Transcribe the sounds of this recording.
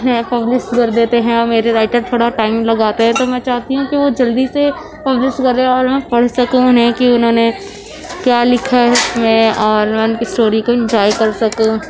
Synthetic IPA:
mɛ̃ːpɐblɪʃʈkɐɾd̪eːt̪eɦɛ̃ɔːɾmeːɾeɾaːɪʈəɾt̪ʰoːɽaʈaːɪmlɐɡaːt̪eɦɛ̃t̪omɛ̃ːt͡ʃaːɦt̪iɦũkiʋod͡ʒɐld̪ise | pɐblɪʃʈkɐɾeɔːɾmɛ̃pɐɽ̤sɐkũʊnɛ̃kiʊnɦõne | kjaːlɪkʰaɦɛmɛ̃ɔːɾmɛʊnkisʈoːɾikoɪ̃nd͡ʒɔːjkɐɾsɐkõ

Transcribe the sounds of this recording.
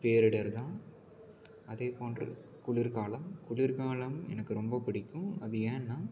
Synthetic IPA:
peːɾɪɽɐɾt̪ãː | ɐðeːpoːndrɯ̰kʊɭɪɾkaːlɐmkʊɭɪɾkaːɭɐmɛ̰nɐkːɯɾɔmbɐpɪɽɪkːɯ̃ɐðɯẽːnːãː

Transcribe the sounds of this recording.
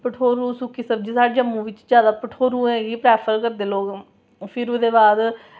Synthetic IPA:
pəʈʰoːɾũːsũːkɪsəb̚d͡ʒiːsaːɖd͡ʒəmːũːʋɪt͡ʃd͡ʒjaːd̪aːpəʈʰoːɾũːɛ̃ːɡiːpɾɛːpʰəɾkəɾd̪eːloːɡ | pʰɪɾod̪eːbaːd̪

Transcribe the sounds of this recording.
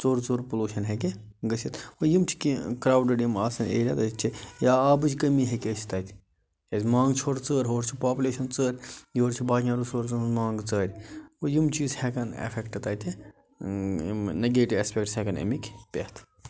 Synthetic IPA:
t͡soːɾt͡soːɾpuluːʃɐnɦek̬e | ɡɐsʲit̪ojimt͡ʃʰi̥kikɾaːwɖɐɽjimaːsɐnḛːɾʲat̪ɐt͡ʃʰijaːaːbɨd͡ʒʲkɐmiɦekʲet͡ʃʰi̥t̪ɐːt̪ʰʲ | ɐzʲmãːŋɡt͡ʃʰoɾt͡səːɾʲɦoːɾt͡ʃʰipaːpulʲeːʃɐnt͡səːɾʲjoːɾt͡ʃʰibaːjãɾusoːɾt͡sɨnzmaːŋɡt͡səːɾʲojimt͡ʃiːzhekɐnḛfʰekʈɨt̪aːt̪ʰi | mnɐɡeːʈiʋespʲekʈshekɐnɐ̰mikʲpʲḛt̪ʰ

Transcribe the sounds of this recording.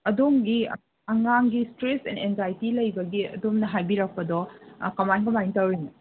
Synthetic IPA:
ɐdoŋɡi | ɐŋaŋɡistɾesɛ̰nenzajtilɐjbɐɡiɐ̰domnɐɦajbiɾɐk̚pɐdɔkɐmajnkɐmajntɐwɾinɐ

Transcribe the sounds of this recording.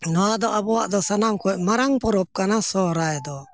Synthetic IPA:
nɔwad̪ɔʔabɔwa̰ʔd̪ɔsanamkɔɛʔmaɾaŋpɔɾɔp̚kanasɔɾajɛd̪ɔ

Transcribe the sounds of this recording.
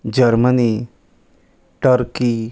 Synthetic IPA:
d͡ʑəɾməni | ʈəɾki

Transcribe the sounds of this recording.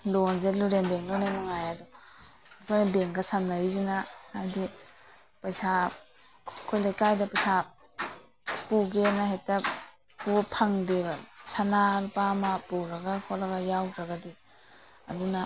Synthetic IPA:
lonzeluɾembeŋlunajmaŋajadɔ | kʰojnɐbeŋɡɐsamnaɾizinaːɾdi | pɐjsa | kʰojlajkajdɐpɐjsa | puɡenɐɦejtɐ | pupʰɐŋdebɐsanaɾpamɐpuɾɐɡɐkʰoɾɐɡɐjawɾɐɡɐdi | ɐ̰dunɐ

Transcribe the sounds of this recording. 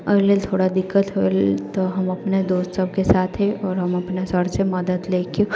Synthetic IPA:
əleːlt̪ʰoːɽad̪ɪkːət̪ɦoelt̪oɦɐmɐpned̪oːst̪səb̚ʱkesaːt̪ʰɦeɔːɾɦɐmɐpnasəɽsemɐd̪ət̪leːkio

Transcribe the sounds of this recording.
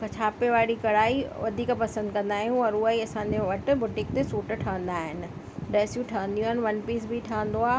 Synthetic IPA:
kɐt͡ɕʰaːpeʋaːɽikɐɽaːiʋɐd̪ʱiːkpɐsə̃nd̪̚kɐ̃nd̪aːɦijũɔɾʊaiɐsãɲd͡ʑeʋɐʈ̆bʊʈɪ̃k̚t̪esuːʈ̆ʈʰɐə̃nd̪aːɦɪnɪ̆ | ɖɛːsjũʈʰaʋə̃nd̪ijũaːɦɪnɪʋɐnpiːs̬bʱiʈʰaːə̃n̆d̪oaː

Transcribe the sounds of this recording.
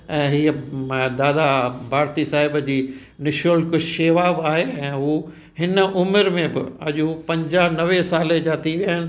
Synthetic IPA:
ɛ̃ːɦiːəd̪aːd̪abʱaːɾt̪isaːɦɪbd͡ʑiː | nɪʃoːlkʊʃeːʋaːbaːɦeːɛ̃ːɦuː | hɪnəʔʊmɪɾmẽbɪ̰ɐʄupɐ̃ɲd͡ʑaːɦnɐʋesaːled͡ʑaːt̪iʋiaənɪ̆

